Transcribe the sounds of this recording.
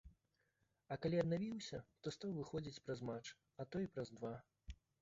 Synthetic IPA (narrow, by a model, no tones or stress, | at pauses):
ɐkalʲiɐd̪navʲiwsʲɐt̪ɔst̪awvɨxɔd͡zʲit͡sʲpɾɐzmat͡ʂ | ɐt̪ɔipɾɐzd̪va